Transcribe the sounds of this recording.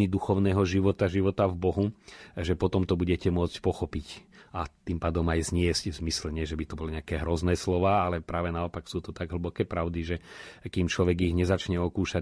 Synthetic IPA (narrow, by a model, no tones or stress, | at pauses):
nid̪uxɔʊnɛːɦɔʒiʋɔt̪aʒiʋɔt̪avbɔɦuʒɛpɔt̪ɔmt̪ɔbuɟɛcɛmʊɔt͡scpɔxɔpicat̪impaːd̪ɔmajzɲɪɛzcvzmislɛɲɪɛʒɛbit̪ɔbɔliɲɛakɛːɦɾɔznɛːslɔʋaːalɛpɾaːʋɛnaɔpaksuːt̪ɔt̪aɡɦl̩bɔkɛːpɾaʊd̪iʒɛkiːmt͡ʃlɔʋɛɡiɣɲɛzat͡ʃɲɛɔkuːʃa